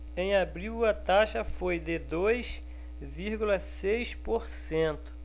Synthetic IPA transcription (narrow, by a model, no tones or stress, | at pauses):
ẽj̃abɾiwɐt̪aʃɐfojd̪ɪd̪ojs | viɾɡulɐsejspoɾsẽt̪ʊ̥